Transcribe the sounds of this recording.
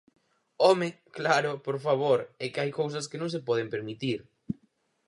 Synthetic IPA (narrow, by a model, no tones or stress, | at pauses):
ɔme | klaɾʊpoɾfaβoɾɛkɪajkows̬ɐskɪnõŋs̬epɔðempeɾmit̪iɾ